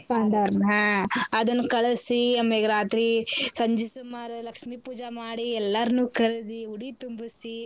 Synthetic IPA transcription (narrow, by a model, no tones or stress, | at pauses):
paːɳɖaɾmɦãɐd̪ɐnːukɐɭɐsiɐmːeɡɾaːt̪ɾisɐɲd͡ʒisumaːɾɐlɐkʂmipuːd͡ʒɐmaːɽiɛlːɐɾnuːkɐɾɐd̪iuɽit̪umbusi